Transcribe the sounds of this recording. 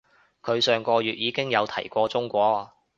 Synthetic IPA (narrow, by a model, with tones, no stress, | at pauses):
kʰɵ˨˧ɥsœː˨ŋkʷɔː˧jyː˨t̚jiː˨˧kɪ˥ŋjɐ˨˧wt̪ʰɐ˨˩jkʷɔː˧t͡sʊ˥ŋkʷɔː˧